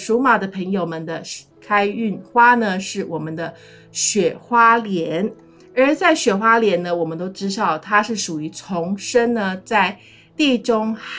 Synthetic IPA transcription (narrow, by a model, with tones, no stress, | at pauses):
ʂu˧˥ma˨˩d̪ə˦pʰə˧˥ŋjo˨˩ʊmə˨nd̪ə˩ | kʰa˥ɪy˥˩nxwa˥nə˨ʂɻ̩˥˩wʔɔ˨˩mə˦nd̪ə˧ | ɕɥɛ˨˩xwa˥ljɛ˧˦n | ə˞˧˥t͡sa˥˩ɪɕɥɛ˨˩xwa˥ljɛ˧˥nnə˧wɔ˨˩mə˦nt̪o˥ʊʈ͡ʂɻ̩˥ʂɑ˨˩ʊt̪ʰa˥ʂɻ̩˥˩ʂu˨˩y˧˥t͡sʰʊ˧˥ŋʂə˥ŋnə˨t͡sa˥˧ɪ | t̪i˥˩ʈ͡ʂʊ˥ŋ